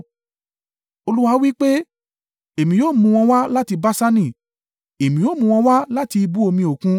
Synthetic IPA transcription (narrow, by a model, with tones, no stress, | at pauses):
o˧lu˦wa˧˦wi˦k͡pe˦ | e˨mĩ˨joː˦˨mũ˧w̃ɔ̃˧wa˦la˦ti˧ba˦sa˦nĩ˦˨ | e˨mĩ˨o˦˨mũ˧w̃ɔ̃˧wa˦la˦ti˧i˧bu˦o˧mĩ˧o˨kũ˧˦